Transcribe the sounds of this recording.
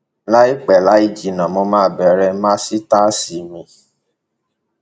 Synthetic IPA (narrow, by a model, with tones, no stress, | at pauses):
la˦i˦k͡pɛ˨la˨˦i˦˧d͡ʒi˨nã˨mo˧mãː˦˨bɛ˨ɾɛ˧mãː˦si˦ta˦si˨mĩ˧